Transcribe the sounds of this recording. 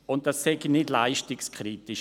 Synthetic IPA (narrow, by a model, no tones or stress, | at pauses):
ʊnt̚d̥asːɛɡinɪdlaɪʃtikskʰɾitɪʃ